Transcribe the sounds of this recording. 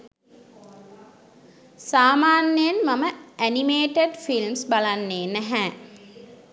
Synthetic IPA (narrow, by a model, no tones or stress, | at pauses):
saːmaːnːejənmaməænimeːʈeɖfilmsbalanːeːnæɦɛː